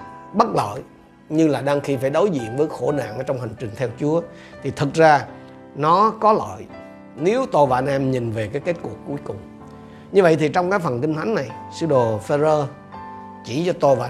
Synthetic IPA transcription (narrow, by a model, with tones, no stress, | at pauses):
ɓə˦˥t̚lə̰ː˧˨j | ɲɨ˧ŋlaː˨˩ɗaː˧ŋxi˧faː˧˩jɗo˨˦jzḭ˧˨ənvəː˨˦jxo˧˩na̰ː˧˨ŋʔəː˧˦t͡ɕɔ˧wŋ͡mɦi˨˩ŋ̟t͡ɕï˨˩ŋ̟t̪ʰɛ˧wt͡ɕu˨˦ə | t̪ʰi˨˩t̪ʰɨ˨˩t̚zaː˧ | nɔ˨˦kɔ˨˦lə̰ː˧˨j | ne˨˦wt̪o˧˩vaː˧˩nɛ˧mɲi˨˩nve˨˩kaː˨˦jke˦˥t̚ku˨˩əkːu˨˦jkʊ˨˩ŋ͡m | ɲɨ˧və̰˧˨jt̪ʰi˨˩t͡ɕɔ˧wŋ͡mkaː˨˦jfə˨˩nkï˧ŋt̪ʰa˨˦ŋ̟na˨˩jsɨ̰˧ɗo˨˩fe˧zəː˧ | t͡ɕi˧˩t͡ɕɔ˧t̪o˧vaː˧˨